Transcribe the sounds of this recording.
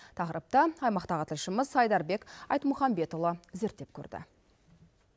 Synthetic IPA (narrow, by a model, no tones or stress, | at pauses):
t̪ʰɑqəɾəp̚t̪əɑjmɑqt̪ɑʁət̪ʰɪlʃɪməzɑjd̪ɑɾbe̞kɑjt̪mʊχɑmbe̞t̪olˠəze̞ɾt̪ːe̞p̚kʲʰɵ̰ɾd̪ɪ̰